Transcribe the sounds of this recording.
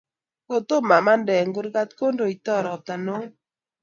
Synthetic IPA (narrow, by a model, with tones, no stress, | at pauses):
ko˨t̪o˦ma˨ma˦ndɛ˨ŋɡu˦ɾɡa˦t̪ko˦ndo˨i˨t̪ɔ˦ɾɔ˨t̪a˨no˦